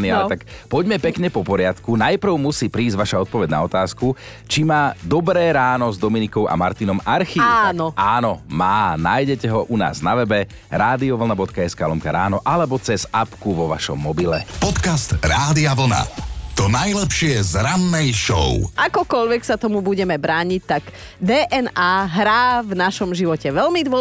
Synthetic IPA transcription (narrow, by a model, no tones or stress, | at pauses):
niaalɛt̪akpɔɟmɛpɛkɲɛpɔpɔɾɪat̪kunajpr̩ʊmusiːpɾiːzɟʋaʃaɔt̪̚pɔʋɛɟna̰ɔt̪aːsku | t͡ʃimaːd̪ɔbɾɛːɾaːnɔzd̪ɔminikɔʊʔa̰maɾt̪inɔmaɾxiːanɔaːnɔmaːnajɟɛcɛɦɔʔuna̰ːznaʋɛbɛ | ɾaːd̪iɔʋl̩nabɔt̪kaɛskaːlɔmka̰ɾaːnɔʔalɛbɔt͡sɛzapkuʋɔʋa̰ʃɔ̰mːɔbilɛ̰pɔt̪kast̪ɾaːd̪iaʋl̩na̰t̪ɔnajlɛpʃɪɛzɾanːɛjʃɔ̰ʊʔakɔkɔʎʋɛksat̪ɔmubuɟɛmɛbɾaːɲic̚t̪aɡ | d̪ɛːʔɛnaːɦɾaːvnaʃɔmʒiʋɔcɛʋɛʎmid̪ʊɔ